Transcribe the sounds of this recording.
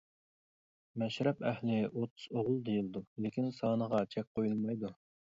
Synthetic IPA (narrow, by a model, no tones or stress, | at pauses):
mɛʃɾɛpɛhlɪʔot̪ʰu̥zoʁʊlˠd̪ejilˠd̪ulekʲinsɑːnəʁɑt͡ʃʰɛk̚ʲqʰojulˠmɑjd̪u